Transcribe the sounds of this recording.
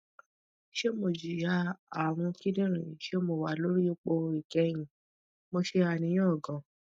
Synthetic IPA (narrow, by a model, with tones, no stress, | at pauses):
ʃe˦mo˧˨d͡ʒi˨ja˧a˨ɾ̃ũ˧ki˦dĩ˦ɾ̃ĩ˨ʃe˦mo˧˨wa˨˦lo˦ɾi˦o˦˧k͡po˧i˨kɛ˧˦j̃ĩ˨ | mo˧ʃe˧a˧˨nĩ˧j̃ɔ̃˦˨ɡã˨